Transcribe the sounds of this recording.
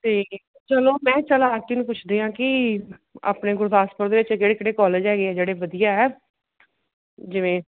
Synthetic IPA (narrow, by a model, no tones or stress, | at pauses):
t̪eː | t͡ʃəloːmɛ̃ːt͡ʃəlaːt̪iːnũːpʊt͡ʃʰd̪eːɦãːkɪ | a̰ːpneːɡʊɾd̪aːspəɾd̪eːɪt͡ʃkeːɽekɽeːkɔːləd͡ʒɛːɡeːɛːd͡ʒeːɽeːʋəd̪ijaːɛː | d͡ʒɪʋẽː